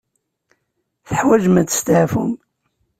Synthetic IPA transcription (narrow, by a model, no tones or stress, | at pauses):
θəħwæʒmæt͡sːə̥st̪ʕfṵm